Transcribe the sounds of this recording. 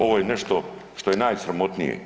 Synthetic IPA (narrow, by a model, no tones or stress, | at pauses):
o̞ʋojeneʃt̪oʂt̪o̞jenaːjsɾamo̞t̪nḭjḛ